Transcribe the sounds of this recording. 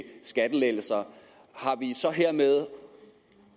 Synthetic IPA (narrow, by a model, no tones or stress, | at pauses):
sɡ̥æd̥əlel̰l̩sɐ | hɑ̈ʋisɒ̽ɦeɐ̰með̞ˠ